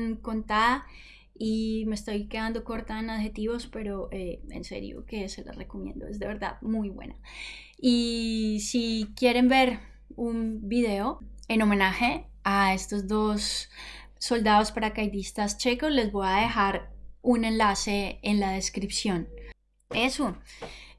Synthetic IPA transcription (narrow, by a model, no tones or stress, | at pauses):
nko̞nt̪aða | ime̞st̪o̞jke̞ðand̪o̞ko̞ɾt̪aenaðxe̞t̪iβo̞spe̞ɾo̞ʔeḛnse̞̰ɾjo̞̰ke̞se̞la̰re̞ko̞mje̞̰nd̪oezd̪e̞βe̞ɾd̪a̰ðmujbwe̞̰na | isikje̞ɾe̞mbe̞ɾ | umbiðe̞o̞eno̞me̞naxe̞ | ae̞st̪o̞zd̪o̞sː | o̞ld̪aðo̞spaɾakajd̪ist̪ast͡ʃe̞ko̞sle̞zbo̞jaðe̞xaɾune̞nlase̞ːnlaðe̞skɾipsjo̞n | e̞so